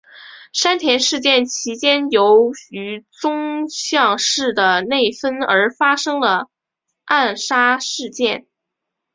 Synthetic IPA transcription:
ʂa˥nt̪ʰjɛ˧˥nʂɻ̩˥˧t͡ɕjɛ˥˩nt͡ɕʰi˧˥t͡ɕjɛ˥njo˧˥ʊy˧˥t͡sʊ˥ŋɕjɑ˥˧ŋʂɻ̩˥˩d̪ə˩ne˥˩ɪfə˥nə˞˧˥fa˥ʂɤ˥ŋlə˨ | a˥˩nʂa˥ʂɻ̩˥˧t͡ɕjɛ˥˩n

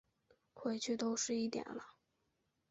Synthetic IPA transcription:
kʰwe˥˩ɪt͡ɕʰy˥˧t̪o˥ʊʂɻ̩˥˧i˥˩t̪jɛ̰˨˩nlə˦

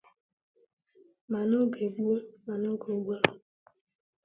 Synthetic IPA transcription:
ma˨no˦ɡe˨ɡ͡bu˦ma˨no˦ɡo˨ɡ͡bʷa˦

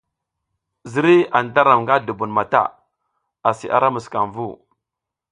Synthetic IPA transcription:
zi˦ɾi˦a˨n˨ta˦ɾa˨mŋɡa˦du˨bu˨nma˨ta̰˦˨ | a˨sḭ˨ʔa̰˦ɾa˦mu˨ska̰˨nvu˦˨

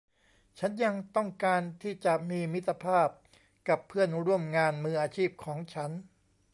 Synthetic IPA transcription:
t͡ɕʰa˦˥nja˧ŋt̪ɔ˥˩ŋkaː˧nt̪ʰiː˥˩t͡ɕa˨˩miː˧mi˦˥t̪ːa˧pʰaː˥˩p̚ | ka˨˩pʰːɯ˥˩ənɾu˥˩əmŋaː˧nmɯː˧ʔaː˧t͡ɕʰiː˥˩p̚kʰɔː˩˦ŋt͡ɕʰa˦˥n

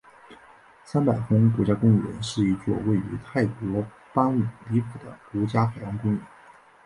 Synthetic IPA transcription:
sa˥npa˨˩ɪxʊ˥ŋk̬wɔ˧˥t͡ɕja˥kʊ˥ŋɥɛ̰˧˥nʂɻ̩˥˧i˧˥˩t͡swɔ̰˥˧we˥˩ɪy̰˧˥t̪ʰa˥˩ɪkwɔ˧˥ | pa˥nu˨˩li˧˥fu˨˩d̪ə̰˦kwɔ˧˥t͡ɕja˥xa˨˩ɪjɑ˧˥ŋkʊ˥ŋɥɛ˧˥˦n

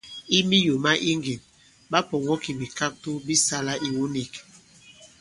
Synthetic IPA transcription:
i˦mi˦jo˨ma˦ʔi˦ŋɡi˨n | ba˦pɔ˨ŋɔ˦ki˨bi˨ka˦k̚tu˦bi˦sa˦la˦ʔi˨wu˦ni˨k

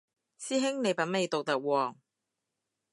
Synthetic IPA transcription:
siː˥ɦɪ˥ŋne˨˧jpɐ˨˥nme˨˧jt̪o˨k̚t̪ɐ˨k̚wɔː˨˩ŋ

